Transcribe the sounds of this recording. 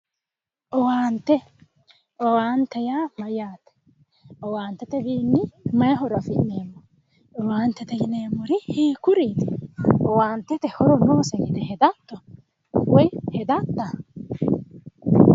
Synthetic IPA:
ʔɔwaːnt̪ːɛ | ɔwaːnt̪ɛjaːmɐjaːt̪ɛ̥ | ɔwaːnt̪ːɛt̪ɛbiːnːɪmɐjɦɔɾɐfɪʔneːmːɔ | ɔwaːnt̪ːɛt̪ɛjɪneːmːɔɾɪheːkʊɾiːt̪ɔwaːnt̪ːɛt̪ɛhɔɾɔnoːsɛɡɪd̪ɛhɛd̪at̪ːɔ | wɔjhɛd̪at̪ːa

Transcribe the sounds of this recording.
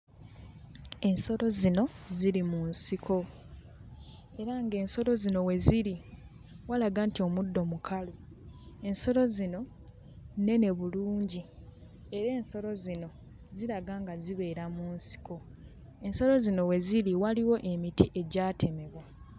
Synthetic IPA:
e̞nso̞lo̞zino̞ziɾimunsikʰo̞ | e̞ɾaŋɡe̞ːnso̞lo̞zino̞we̞ziɾi | walaɡantio̞mudːo̞mukʰaloe̞nso̞lo̞zino̞ | ne̞ne̞βuluːɲɟi | e̞ɾe̞ːnso̞ɾo̞zino̞ | zilaɡaŋɡaziβe̞ːɾamuːnsi̥ko̞ | e̞nso̞lo̞zino̞we̞ziɾiwaliwo̞ʔe̞mitiʔe̞ɟaːtʰe̞me̞βwa

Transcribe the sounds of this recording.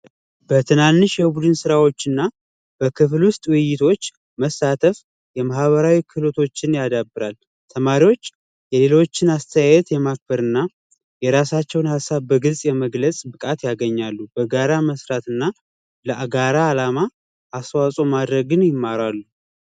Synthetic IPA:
b̥ət̪ʰɨnanːɨʃjɛbud̪ɨnsɨɾawo̞t͡ʃːɪnːa | b̥əkʰɨflwʊst̪ʼwɨjɪt̪ʰo̞t͡ʃː | məsːat̪ʰəf | jɛmahβəɾawikʰɨlot̪ʰo̞t͡ʃːɪnjad̪abːɨɾal | t̪ʰəmaɾiwo̞t͡ʃː | jɛle̞lo̞t͡ʃːɪnast̪ʰəjajɛt̪jɛmak̚bəɾɨnːa | jɛɾasat͡ʃːɛwnhasːaβbəɡɨlsʼjɛməɡlət͡sʼbɨkʼat̪jaɡəɲːalːubəɡaɾaməsɾat̪ɨnːa | ləʔaɡaɾaːlamaː | swasʼo̞mad̪ɾəɡɨnjɪmːaɾalːu

